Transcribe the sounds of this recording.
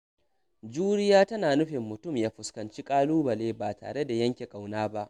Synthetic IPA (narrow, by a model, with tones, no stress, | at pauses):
d͡ʒuː˦ɽɪ˦jaː˦tɐ˦naː˨nʊ˦ɸɪ˨mːʊ˨tʊ˦˨mjaː˦ɸʊ˨skɐ˨nt͡ʃi˦kʼaː˦luː˦bɐ˨leː˦baː˨tʰa̰ː˨ɽe˦da˨jɐ˦ŋkʲe˨kʼa˨wnaː˦ba˦ʔ